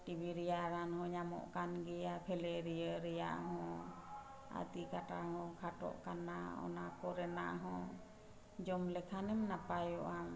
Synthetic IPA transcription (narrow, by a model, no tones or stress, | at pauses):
ʈibiɾɛjaɾanhɔ̃ɲamɔ̰ʔkanɡɛjapʰɛlɛɾɛjəɾɛja̰ʔɦɔ̃ | a̰t̪ikaʈahɔ̃kʰaʈɔ̰ʔkanaɔ̰nakɔɾɛna̰ʔɦɔ̃ | d͡ʒɔmlɛkʰanɛmnapajɔʔam